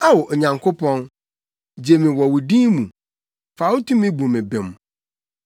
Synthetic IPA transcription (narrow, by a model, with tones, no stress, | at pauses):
a˦wɔ˨ʔɔ˨ɲã˨ŋkʰo˦pʰɔ̃˦n | d͡ʑe˨mĩ˨wɔ˨wu˨dĩ˦mũ˨ | fa˨wʊ˦tʰũ˦mĩ˦bũ˨mɪ̃˨bɪ̃˨m